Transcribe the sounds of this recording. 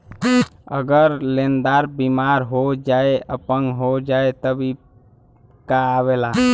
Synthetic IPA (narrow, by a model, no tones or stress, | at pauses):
ə̰ɡəɾlẽnd̪aːɾbimaːɾɦod͡ʒaːeəpəŋɡɦod͡ʒaːet̪əbʱi | kaːʋeːlaː